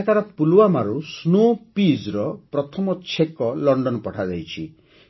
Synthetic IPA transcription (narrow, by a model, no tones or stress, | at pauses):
kaɾɔpuluwamaɾusnopid͡ʒɾɔpɾɔt̪ʰɔmɔt͡ʃʰekɔlɔɳɖɔnɔpɔʈʰad͡ʒajt͡ʃʰi